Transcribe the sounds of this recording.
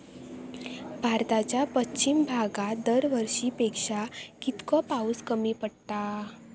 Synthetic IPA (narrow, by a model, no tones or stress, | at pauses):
bʱaɾt̪at͡ɕjapət͡ɕːɕimbʱaɡad̪əɾʋəɾʂiːpekʂakit̪kɔpauskəmiːpəɽt̪a